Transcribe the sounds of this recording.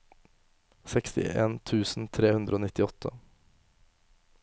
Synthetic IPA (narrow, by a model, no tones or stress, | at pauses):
sɛkst̪ɪ̰ʔeːnt̪ʰʉːsn̩t̪ʰɾeːhʉnd̪ɾʔəoːnɪt̪ɪɔt̪ʰə